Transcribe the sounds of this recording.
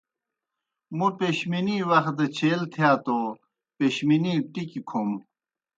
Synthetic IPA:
mupeɕminiwɐx̚d̪ɐt͡ɕʰeːlt̪ʰijaːt̪o | peɕminiʈikikʰom

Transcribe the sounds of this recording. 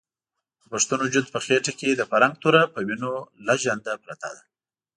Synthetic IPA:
d̪̥əpaʂt̪unod͡ʒʊd̪pəxeʈaked̪əfaɾaŋɡ̚t̪uɾapəwinolaʒand̪apɾat̪ɑ̰d̪a

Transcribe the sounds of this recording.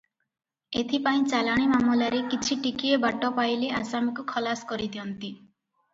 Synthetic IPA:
et̪ʰipaĩt͡ʃalaɽ̃imamulaɾekit͡ʃʰiʈikiebaʈɔpajleʔasamikukʰɔlaskɔɾid̪iɔnt̪i

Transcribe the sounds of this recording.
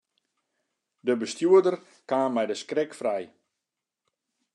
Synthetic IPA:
dəbəstjuədər | kaːmɛjdəskrɛkfrɛj

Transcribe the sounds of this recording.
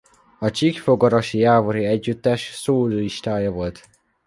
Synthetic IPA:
ɒt͡ʃikfoɡɒɾɒʃijaːvoɾiɛɟːyt̪ːɛʃsoːliʃt̪aːjɒvo̞lt̪

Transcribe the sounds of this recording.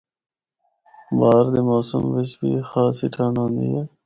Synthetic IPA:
baːɾd̪imaːsumʋɪsbḭːxaːsiʈʰaːnõːnd̪ḭeː

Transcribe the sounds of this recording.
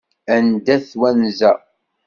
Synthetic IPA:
ænd̪æθwænzæ

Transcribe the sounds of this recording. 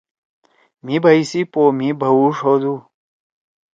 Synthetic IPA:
mibɐisipomibəuʂod̪u

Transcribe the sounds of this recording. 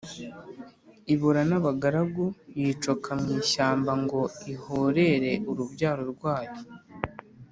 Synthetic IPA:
iβuɾanaβaɡaɾaɡujiːt͡ʃokamŋiːʃaːmbaŋɡo̞ihoɾe̞ɾe̞ʔuɾuβɟaːɾoɾɡwaːjo

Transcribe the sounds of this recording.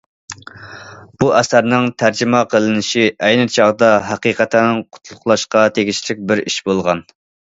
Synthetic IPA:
b̥uʔɛsæɾnɪŋt̪ʰæɾd͡ʒɪmɑqʰəlˠɨnɪʃiʔɛjnɨt͡ʃʰɑʁd̪ɑɦæqiːqɛt̪ʰænɪŋqʰʊ̥t̪ʰlˠʊχlˠɑʃqɑt̪ʰeɡʲit͡ʃlɪk̚ʲbɪɾiʃbolˠʁɑn

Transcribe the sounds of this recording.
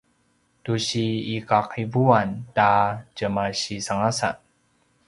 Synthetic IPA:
tuɕiːkaqivuantad͡ʒəmaɕisaŋasa̰

